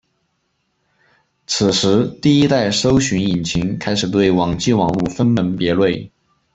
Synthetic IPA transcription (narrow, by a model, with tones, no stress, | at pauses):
t͡sʰɹ̩˨˩ʂɻ̩˧˥t̪i˥˩i˥t̪a˥˩ɪʂo˥ʊɕy˧˥ni˨˩nt͡ɕʰi˧˥ŋkʰa˥ɪʂɻ̩˨˩t̪we˥˩ɪwɑ˨˩ŋt͡ɕi˥˩wɑ˨˩ŋu˥˩fə˥nmə˧˥npjɛ˧˥lwe˥˩ɪ